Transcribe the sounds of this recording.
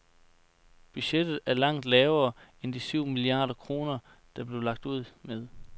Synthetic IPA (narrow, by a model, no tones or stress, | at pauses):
b̥yɕed̥ð̩ˠæɐlɑ̈ŋ̰d̥lɛːʊɐːend̥isyʊ̰miliɑ̈ːd̥ɐkʰʁo̝ːnɐ | d̥ɑ̈b̥le̝ʊlɑ̈ɡ̥̚d̥uð̞̰ˠmeð̞ˠ